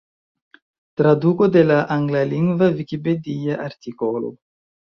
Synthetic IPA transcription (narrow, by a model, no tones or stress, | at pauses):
t̪ɾad̪ukod̪elaʔaŋɡlaliŋɡvavikiped̪iaʔaɾt̪ikolo̰